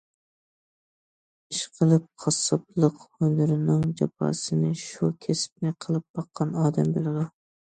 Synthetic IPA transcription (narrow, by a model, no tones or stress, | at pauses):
iʃqʰəlˠɨp̚qʰɑsɨplˠəqhølɨɾɪnɪŋd͡ʒɑpʰɑ̰sɨnɪʃukʲʰesɪ̥p̚nɪqʰəlˠɨp̚bɑqʰːɑnɑːd̪ɛmbelˠɪd̪u